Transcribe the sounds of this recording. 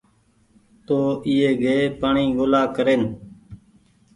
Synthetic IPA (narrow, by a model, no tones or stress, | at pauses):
t̪oːʔiːeːɡeːpaːɳiːɡoːlaːkəɾeːn